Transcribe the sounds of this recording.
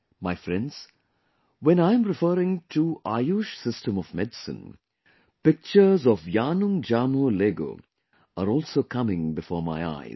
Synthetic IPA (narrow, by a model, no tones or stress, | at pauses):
maɪfɾɛ̃nɖz̥ | wɛ̃naɪə̃mɾɪfəːɾɪ̃ŋʈʰuʔaːjuʃsɪsʈə̃mɔʋmɛdsə̰̃n | pɪk̚t͡ʃəɾzɔʋjaːnʊ̃ŋd͡ʒaːmoleːɡo̰ː | aɾɔːlsoːkʰʌmɪ̃ŋbɪfɔːɾma̰ɪa̰ɪ